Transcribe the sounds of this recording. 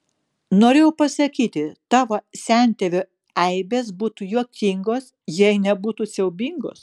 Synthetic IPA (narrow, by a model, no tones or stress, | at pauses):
noːɾʲeːjɛʊpɐsɐkʲiːt̪ʲɪt̪ɑːʋoːsʲæˑnʲt̪ʲɛʋʲoː | ɛɪbʲeːs̬buːt̪ujuɔkʲiŋɡoːs | jɛɪnʲɛbuːt̪usʲɛʊbʲiŋɡo̰ːs